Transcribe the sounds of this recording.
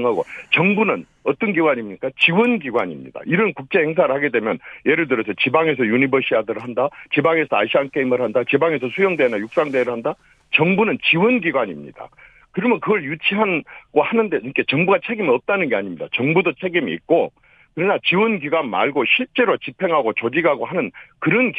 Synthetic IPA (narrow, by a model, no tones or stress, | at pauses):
ŋɦaɡo̰t͡ɕʌŋbunɯn | ʌt͈ʌnɡiɡwaɲimɲik͈at͡ɕiwɯnɡiɡwaɲḭmɲḭd̥a̰iɾʌnkuk̚t͡ɕ͈e̞he̞ŋs̬ʰaɾɯɭhaɡe̞dwe̞mjʌnje̞ɾɯɭt̬ɯɾʌs̬ʰʌt͡ɕibaŋe̞s̬ʰʌjunibʌɕʰiadɯɾɦandat͡ɕibaŋe̞sʰʌaɕʰiank͈eimɯɾhandat͡ɕibaŋe̞sʰʌsʰujʌŋdeːnajuk̚s͈aŋdeɾɯɭhanda | t͡ɕʌŋbunɯnt͡ɕiwɯnɡiɡwaɲimɲḭd̥a̰ | kɯɾimjʌnkɯɡʌɭjut͡ɕʰiɦanɡ̥ohanɯnde̞ke̞t͡ɕʌŋbuɡat͡ɕʰe̞ɡimiʌp̚t͈anɯnɡe̞aɲimɲidat͡ɕʌŋbudot͡ɕʰe̞ɡimiḭk̚k͈o | kɯɾʌnat͡ɕiwɯnɡiɡwanma̰ɭɡoɕʰiɭt͡ɕ͈e̞ɾot͡ɕipʰe̞ŋɦaɡot͡ɕod͡ʑiɡaɡoɦhanɯnkɯɾʌnk